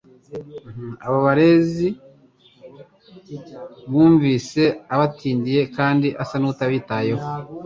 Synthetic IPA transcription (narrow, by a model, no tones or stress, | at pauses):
m̩aβaβaɾe̞zi | βuːɱviːse̞aβatiːndije̞kaːndiʔasanuutaβiːtajeho